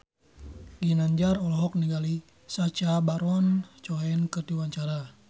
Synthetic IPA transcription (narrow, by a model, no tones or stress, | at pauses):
ɡinaɲd͡ʒarɔlɔɦɔk̚niɡali | sat͡ʃabaɾwant͡ʃɔɛnkət̪iwaɲt͡ʃaɾa